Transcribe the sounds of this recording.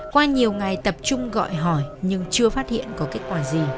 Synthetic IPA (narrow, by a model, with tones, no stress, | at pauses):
kwaː˧ɲi˨˩əwŋa˨˩jt̪ə˨˩p̚t͡ɕʊ˧ŋ͡mɣɔ̰˧˨jɦɔ˧˩jɲɨ˧ŋt͡ɕɨ˧əfaː˦˥t̚hḭ˧˨ənkɔ˨˦ke˦˥t̚kwaː˧˩zi˨˩